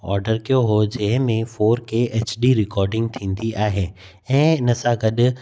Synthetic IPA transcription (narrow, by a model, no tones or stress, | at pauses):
ɔ̰ːɾɖəɾkijoɦod͡ʑɐɦɪ̃mẽfoːɾkeːʔɛːt͡ɕɖiɾɪkɔːɾɖɪ̃ŋɡ̚t̪ʰĩːnd̪iʔaːɦeː | ɛ̃ːɪnəsãɡɐɗʊ̆